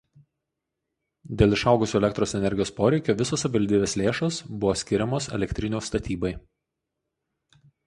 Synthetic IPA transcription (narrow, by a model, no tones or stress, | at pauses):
d̪ʲeːlˠɪʃɑˑʊɡʊsʲuːɛlʲɛkt̪ɾoːsɛnʲɛɾʲɡʲɪjoːspoːɾʲɛɪkʲoːʋʲɪsoːsɐpʲʋɐlʲd̪ʲiːbʲeːslʲeːʃoːsbʊʋoːsʲkʲɪɾʲɛmoːsɛ̰lʲɛkʲt̪ʲɾʲɪnʲuːst̪ɐt̪ʲiːbɐɪ